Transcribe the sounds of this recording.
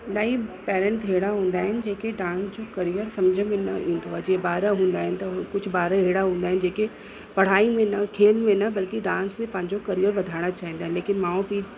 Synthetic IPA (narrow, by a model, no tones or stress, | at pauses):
ɗaipɛːɾə̃ɳʈɦeɽaɦũːn̆d̪aːɦɪnɪ̆d͡ʑeːkeɖãːnsd͡ʑokɐɾijəɾsɐmd͡ʑʱəmẽnɐĩːnd̪ʱoad͡ʑiːbaːɾəɦũːnd̪aːɦɪnɪ̆t̪ɐkʊd͡ʑʱʊbaːɾəɦeːɽaɦũːnd̪aːɦɪnɪ̆d͡ʑeːke | pɐɽ̤aːimẽnɐkʰeːlmẽnɐbɐlkiɖãːnst̪ẽpɐ̃ɦɪ̃ɲd͡ʑokɐɾijəɾʋɐd̪ʱaːɪɽ̃at͡ɕaːɦĩnd̪aːɦɪnɪleːkɪnmãːũpiː